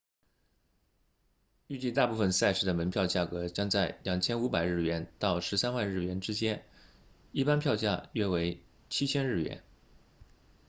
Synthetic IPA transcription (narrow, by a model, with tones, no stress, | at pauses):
y˥˧t͡ɕi˥˧t̪a˥˧pu˥˩fə˩nsa˥ɪʂɻ̩˥˩d̪ə˩mə˧˥npʰjɑ˥˧ʊt͡ɕja˥˩kɤ˧˥t͡ɕjɑ˥ŋt͡sa˥˩ɪljɑ˨˩ŋt͡ɕʰjɛ˥nu˧˥pa˨˩ɪɻ̩˥˩ɥɛ˧˥nt̪ɑ˥˩ʊʂɻ̩˧˥sa˥nwa˥˧nɻ̩˥˩ɥɛ˧˥nʈ͡ʂɻ̩˥t͡ɕjɛ˥n | i˥˩pa˥npʰjɑ˥˧ʊt͡ɕja̰˥˩ɥɛ˥we˧˥ɪ | t͡ɕʰi˥t͡ɕʰjɛ˥nɻ̩˥˩ɥɛ̰˧˥n